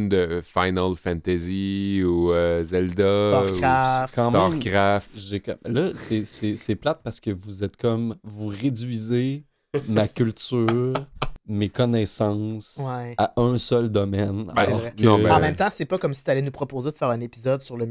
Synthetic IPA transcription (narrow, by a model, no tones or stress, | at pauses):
nd̪əfajnalfɛ̃nt̪eziuøzɛld̪aakɑ̃ːmt̪ɑ̃mkʁafʒeklʌsɛsɛsɛplat̪̚paʁsə̥kʲəvuzɛt̪kʰɔmvuʁed͡zɥize | makʲylt̪yːʁmekɔnɛsɑ̃swɛaʔœ̃sœld̪ɔmɛn̰lɔɔ̃ɛɑ̃mɛ̃mt̪ãsɛpɔkɔmsit̪alɛnupχɔpozed̪əfɛːʁɛ̃nepizɔd̪syʁləm